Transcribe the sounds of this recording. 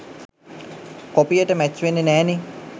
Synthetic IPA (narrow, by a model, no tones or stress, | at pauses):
kopijəʈəmæt͡ʃːʋenːenæːne